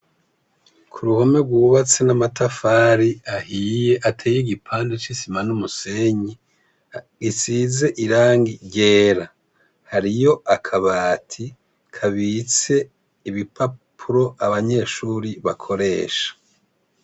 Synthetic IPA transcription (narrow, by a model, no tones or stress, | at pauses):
kʰuɾuhome̞ɡwuβat͡senamatafaːɾiahije̞ʔatʰeːjiɡipʰaːndet͡ʃisimanumuse̞ɲi | isiːze̞ʔiɾaːŋɡiɟeːɾa | haɾijo̞akʰaβaːtʰi | kʰaβit͡se̞ | iβipʰapʰuɾo̞ʔaβaɲe̞ːʃuːɾiβakʰo̞ɾe̞ːʃḁ